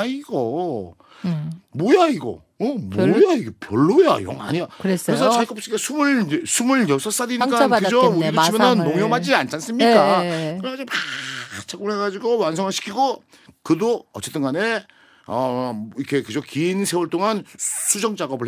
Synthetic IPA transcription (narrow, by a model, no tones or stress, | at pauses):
iɡʌ | mojaiɡʌ̰ | ʌmwojaiɡepjʌɭːoja̰jʌ̰ŋa̰ɲjakɯɾesɾesʰʌt͡ɕʰak͈ʌp̚s͈iɡesʰumɯɭd͡ʑesʰumɯɭjʌsʰʌs͈adinik͈akɯd͡ʑʌuɾidot͡ɕimjʌnanːoŋjʌmad͡ʑiant͡ɕ͈ʰans͈ɯmɲik͈akɯɾead͡ʑopat͡ɕʰakɯɭhe̞ɡad͡ʑiɡowansʰʌŋɦaɭɕʰi̥kʰiɡo | kɯdoʌt͡ɕ͈e̞t͈ɯnɡane | ʌikʰe̞kɯd͡ʑʌkinsʰe̞wʌɭt͈oŋansʰud͡ʑʌŋd͡ʑaɡʌbɯɭ